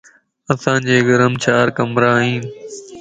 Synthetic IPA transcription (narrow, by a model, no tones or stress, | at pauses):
əsãːd͡ʒeːɡəɾəmt͡ʃʰaːɾkəmɾãːɦĩːn